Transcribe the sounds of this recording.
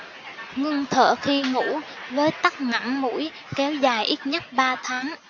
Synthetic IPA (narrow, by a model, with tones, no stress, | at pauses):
ŋɨ˧ŋt̪ʰə̰ː˧˨xi˧ŋṵ˧˥vəː˨˦jt̪a˦˥k̚ŋa̰˧˥nmṵ˧˥j | kɛ˨˦wzaː˨˩jʔi˦˥t̚ɲə˦˥t̚ɓaː˧t̪ʰaː˨˦ŋ